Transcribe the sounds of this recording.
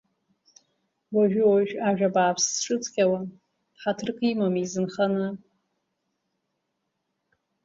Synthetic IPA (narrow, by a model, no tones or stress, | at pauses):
waʒᶣʊwaʒᶣaʒᶣabaːpʰsʈ͡ʂʼɨt͡sʰʼkʲʼawa | ħatʰɨrkʰʼimamizɨnχanɨ